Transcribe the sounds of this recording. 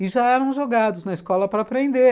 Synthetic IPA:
ɪʒaɛɾɐ̃w̃ʒoɡad̪ʊznɐɪskɔlɐpɾɐːpɾẽnd̪e

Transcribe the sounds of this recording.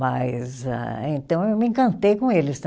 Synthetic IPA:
majza̰ẽnt̪ɐ̃w̃ewmɪẽkɐ̃nt̪ejkõelɪst̪ɐ̃

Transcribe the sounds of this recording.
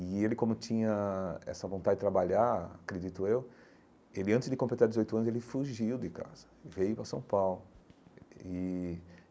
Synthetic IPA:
ɪelɪkõmʊt͡ʃĩɲɐɛ̰sɐvõnt̪adɪdɪt̪ɾabaʎaɾa̰kɾed͡ʒit̪ʊew | elɪɐ̃t̪ɪzd̪ɪkõmplet̪aɾd̪ɪzojt̪ʊɐ̃nʊzelɪfuʒiwd̪ɪka̰zɐ̥vejʊpɾɐsɐ̃w̃pawlʊ | ɪ

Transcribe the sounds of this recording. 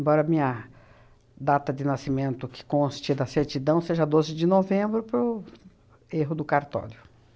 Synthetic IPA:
ẽbɔɾɐmĩɲɐ | d̪at̪ɐd̪ɪnasimẽnt̪ʊkɪ̥kõst͡ʃɪd̪ɐseɾt͡ʃ̪id̪ɐ̃w̃seʒɐad̪ozɪd͡ʒɪnovẽmbɾʊpɾʊ | eɦʊd̪ʊkaɾt̪ɔ̰ljʊ

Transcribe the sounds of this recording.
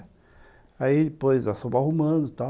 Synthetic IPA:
aid̪ɪpojzasobahumɐ̃d̪ʊt̪a

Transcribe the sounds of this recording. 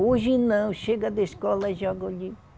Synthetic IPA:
oʒinɐ̃w̃ʃeɡad̪eeskɔlɐʒɔɡoʎi

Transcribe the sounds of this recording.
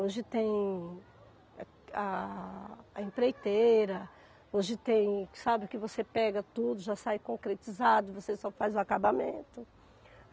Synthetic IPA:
oʒɪt̪ẽj̃ | aː | ĩpɾejt̪eɾɐ | oʒɪt̪ẽj̃sabɪkɪvosepɛɡɐt̪ud̪ʊʒasajkõkɾet͡ʃizad̪ʊɪvosesɔfazʊakabamḛ̃nt̪ʊ

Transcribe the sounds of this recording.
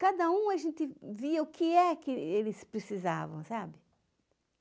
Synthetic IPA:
kad̪ɐũɐʒẽnt̪ɪviɐʊkɪɛkɪelɪspɾesiza̰vɐ̃w̃sabɪ

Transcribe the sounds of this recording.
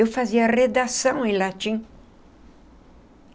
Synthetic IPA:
ewfaziɐred̪asɐ̃w̃ẽj̃lat͡ʃĩ

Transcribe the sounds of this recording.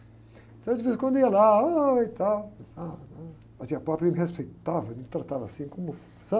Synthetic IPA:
ẽnt̪ɐ̃w̃d͡ʒ̪ɪvezɪskwɐ̃nd̪ʊiɐlaoit̪awanɐ̃ | mɐzĩɐpɾɔpɾẽmɪhespejt̪avɐnẽt̪ɾat̪avɐ̰sĩkõmʊ | sa

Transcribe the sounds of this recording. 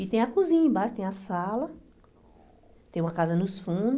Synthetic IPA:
it̪ẽj̃ɐkuzĩɲɐ̃baʃʊ̥t̪ẽj̃ɐsalɐ | t̪ẽj̃ɐkazɐnʊsfũd̪

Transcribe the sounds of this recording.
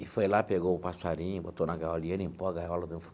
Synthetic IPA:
ifojlapeɡoupasaɾĩũbot̪onakaɔlĩẽnĩpɔɡajwalod̪ẽf

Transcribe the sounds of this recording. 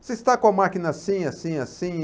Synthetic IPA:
sɪist̪akõɐmakinɐsĩɐsĩɐsĩ

